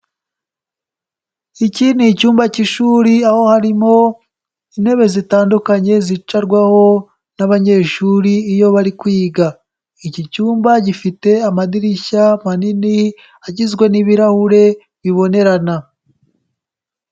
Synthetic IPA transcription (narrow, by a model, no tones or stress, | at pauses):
icinicuːmbaciʃuːɾiaho̞haɾimo̞ | inhe̞βe̞zitaːndukaɲe̞zit͡ʃaɾɡwaho̞ | naβaɲe̞ːʃuɾiːjo̞βaɾikwiːɡa | icicuːmbaɟifite̞amadiɾiçamanini | aɟizɡwe̞niβiɾahuɾe̞ | βiβo̞ne̞ɾana